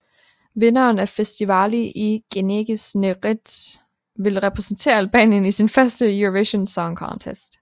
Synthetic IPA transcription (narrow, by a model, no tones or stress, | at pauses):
ʋe̝nɐːnæfesd̥iʋɑliʔiɡ̥e̝neɡ̥isneʁid̥ | ʋe̝lʁɛpʰʁɛsn̩t͡sʰe̝̰ːɐælb̥ɛ̰ːnjənisinfɶɐsd̥əjuʁʋeɕonsɒŋkʰɒ̰nt͡sʰesd̥